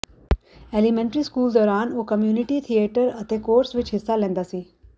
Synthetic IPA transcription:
elimɛ̃ɳʈəɾiskuːld̪ɔɾanokəmjuniʈit̪ʰieʈəɾət̪ekoːɾsʋit͡ʃɦisːalɛ̃nd̪asi

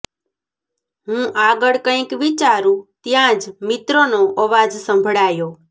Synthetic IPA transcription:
ɦũʔaɡəɭkə̃ĩkʋit͡ʃaɾũt̪jãd͡ʒmɪt̪ɾonoʔəʋad͡ʒsə̃mbʱɽajo

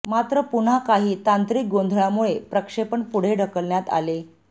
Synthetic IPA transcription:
mat̪ɾəpun̤akaɦiːt̪ant̪ɾik̚ɡond̪ʱɭjamuɭepɾəkʂepəɳpuɽ̤eɖʱəkəlɳjat̪a̰le

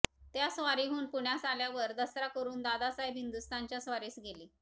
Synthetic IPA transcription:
t̪jasʋaɾiɦuːnpuɳjasaljaʋəɾd̪əsɾakəɾuːnd̪ad̪asajbʱɦind̪ust̪ʰant͡ɕjasʋaɾiːsɡeliː

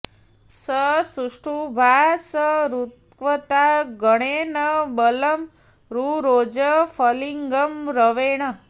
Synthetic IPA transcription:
səsuʂʈʰubʱasəɾut̪̚kʋət̪aɡəɽ̃enəbələm | ɾuɾod͡ʒəfʰəliŋɡəmɾəʋeɳ̃ə

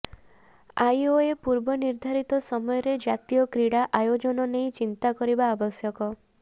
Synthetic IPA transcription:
ajoepuɾbɔniɾd̪ʱaɾit̪ɔsɔmɔjɔɾed͡ʒat̪ijɔkɾiɽaʔajod͡ʒɔnɔneĩt͡ʃint̪akɔɾibaːbɔsjɔkɔ

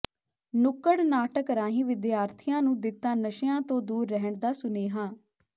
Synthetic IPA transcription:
nʊkːəɽnaːʈəkɾãːɦĩːʋɪd̪jaːɾt̪ʰɪjãːnũːd̪ɪt̪ːãːnəʃəjãːt̪õːd̪uːɾːɛɦəɳd̪aːsʊneːɦãː

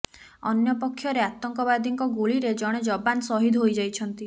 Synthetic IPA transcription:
ɔnjɔpɔkʰːjɔɾeat̪ɔŋkɔbad̪ʱiŋkɔɡuɭiɾed͡ʒɔɽ̃ed͡ʒɔbansɔɦid̪ʱɦojd͡ʒajt͡ʃʰɔnt̪i

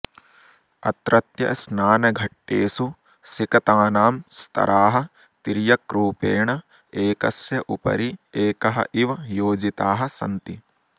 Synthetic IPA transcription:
ɐ̰t̪ɾɐt̪jɐ̰snaːnɐɡʱɐʈːḛːsu | sikɐt̪aːnaːmst̪ʰɐ̰ɾʔaːɦɐ̆ | t̪iɾijɐkɾuːpeːɳɐ | eːkɐsjɐʔupɐ̰ɾieːkɐɦɐ̰ʔiʋɐjoːd͡ʒit̪aːɦɐ̆sɐ̰nt̪i

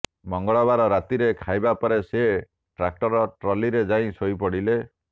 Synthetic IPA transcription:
mɔŋɡɔɭɔbaɾɔɾat̪iɾekʰajbapɔɾese | ʈɾak̚ʈɔɾɔʈɾɔliɾed͡ʒaĩsojpɔɽile

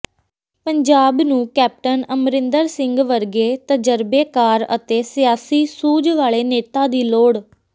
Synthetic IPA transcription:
pəɲd͡ʒaːbnũːkɛːp̚ʈənəmɾɪnd̪əɾsɪŋɡʋəɾɡeːt̪əd͡ʒəɾbeːkaːɾə̰t̪eːsɪjaːsiːsuːd͡ʒʋaːɭeːneːt̪aːd̪iːloːɽ

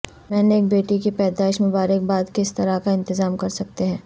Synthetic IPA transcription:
mɛ̃ːneːk̚beːʈikepɛːd̪aːɪʃmʊ̃baːɾək̚baːd̪kɪst̪ɐɾakaɪ̃nt̪ɪzaːmkɐɾsɐk̚t̪eɦɛ̃ː

